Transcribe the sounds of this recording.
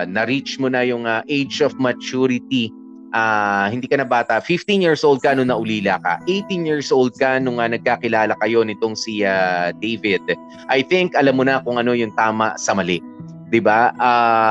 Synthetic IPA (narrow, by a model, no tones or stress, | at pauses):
nɐɾit͡ʃmonɐjʊŋɐʔejd͡ʒofmɐt͡ʃuɾɪt̪i | ʔaːhɪ̃nd̪iːkɐnɐbaːt̪ɐʔfɪft̪injiɹsʔowld̪̚kɐnʊŋnɐʔʊliːlakɐ̰ʔejt̪injiɹsʔowld̪̚kɐnʊŋɐnɐɡ̚kakɪlaːlɐkɐjo̞nɪt̪o̞ŋsiad̪ejvɪd̪̚ | ʔɐjθɪŋkɐlamːonɐkʊŋʔɐno̞jʊŋt̪aːmɐ̰ʔsɐmɐlɛ | d̪ɪbaa